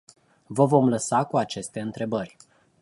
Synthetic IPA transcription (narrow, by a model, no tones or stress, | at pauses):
vəvo̞mləsakuat͡ʃe̞st̪e̞ɨnt̪ɾe̞bərʲ